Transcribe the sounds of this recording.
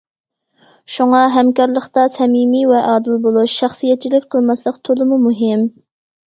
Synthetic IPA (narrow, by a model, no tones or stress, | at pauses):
ʃuŋɑɦɛmkɑɾlˠəχt̪ɑsɛmimivɛʔɑːd̪ɪlbolˠuʃːæχsijɛt̪̚t͡ʃʰilɪkʲqʰəlˠmɑslˠəqt̪ʰolˠɨmumuɦɪm